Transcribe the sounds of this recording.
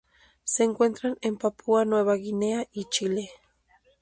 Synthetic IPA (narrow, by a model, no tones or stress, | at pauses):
seːŋkwent̪ɾanempapʰuanweβaɡineaʔit͡ʃile